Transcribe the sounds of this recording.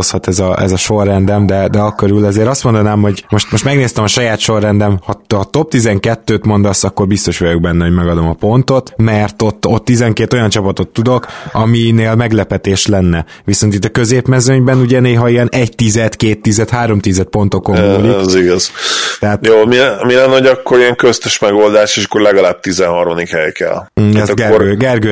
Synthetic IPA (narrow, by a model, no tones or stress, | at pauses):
oshɒt̪ɛzɒɛ̰zɒʃo̞rːɛnd̪ɛmd̪ɛd̪ɛɒkːøɾylɛzeːɾɒst̪mo̞nd̪ɒnaːmho̞ɟmo̞ʃt̪mo̞ʃt̪mɛɡneːst̪ɛmɒʃɒjaːt̪ʃo̞rːɛnd̪ɛmhɒɒt̪o̞p̚t̪izɛŋkɛt̪ːøːt̪mo̞nd̪ɒsɒkːo̞rbist̪o̞ʃʋɒjoɡ̚bɛnːɛho̞ɟmɛɡɒd̪o̞mɒpo̞nt̪o̞t̪mɛrt̪o̞t̪ːo̞t̪ːizɛŋkeːt̪o̞jɒnt͡ʃɒpɒt̪o̞t̪ːud̪o̞kɒmineːlmɛɡlɛpɛt̪eːʃlɛnːɛ | ʋiso̞nt̪it̪ːɒkø̞zeːpmɛzøɲbɛnuɟɛneːɦɒiɛnɛɟ̚t̪izɛt̪keːt̪ːizɛt̪haːɾo̞mt̪izɛt̪̚po̞nt̪okomːuliziɡɒz̥t̪ɛɦaːt̪joːmimilɛnːho̞ɟɒkːoɾiɛŋkøst̪eʃmɛɡo̞ld̪aːʃeːʃɒ̥kːoɾlɛɡɒlaːb̚t̪izɛnhɒrmɒd̪ikhɛjkɛ̰lɛɡɛoɾøɡɛrɡø